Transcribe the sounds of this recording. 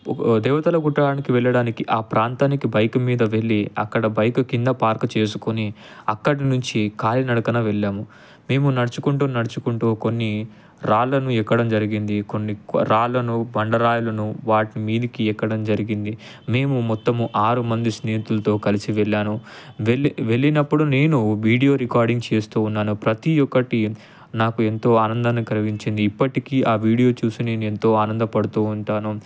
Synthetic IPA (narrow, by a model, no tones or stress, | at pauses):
d̪ɛːʋɐt̪ɐlɐɡuʈːɐaːnikiʋɛɭːɐɽaːnikiʔaːpɾaːnt̪aːnikibɐjɐkɐmiːd̪ɐʋe̞ɭːiɐ̰kːɐɽɐbɐjkukind̪ɐpaːɾkɐt͡ʃe̞ːsukoni | ɐkːɐɽinuɲt͡ʃikaːlinɐɽɐkɐnɐʋɛɭːaːmu | me̞ːmunɐɽɐt͡ʃukuɳʈuːnɐɽɐt͡ʃukuɳʈuːko̞nːi | ɾaːɭːɐnuɛkːɐɽɐmd͡ʒɐɾiɡind̪iko̞nːikɾaːɭːɐnubɐɳɖɐɾaːjulɐnuʋaːʈimiːd̪ikiɛkːɐɽɐmd͡ʒɐɾiɡind̪i | me̞ːmumɔt̪ːɐmʔaːɾumɐnd̪isneːɦit̪ulɐt̪o̞ːkɐlisiʋeɭːaːnu | ʋeʋe̞ɭːinɐpːuɽune̞ːnuʋiːɽijo̞ːɾikaːɾɖiŋɡt͡ʃe̞ːst̪uːunːaːnupɾɐt̪ijɔkːɐʈi | naːkue̞nt̪o̞ːaːnɐnd̪ɐnɐkɐlɐɡiɲt͡ʃind̪iːpːɐʈikiːʔaːʋiːɽijo̞ːt͡ʃuːsine̞ːnue̞nt̪o̞ːaːnɐnd̪ɐpɐɽut̪uːɳʈaːnu